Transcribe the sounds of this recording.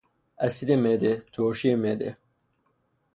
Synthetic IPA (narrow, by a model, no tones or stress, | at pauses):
ɐsid̪emed̪et̪ʰoːʃiemed̪ḛ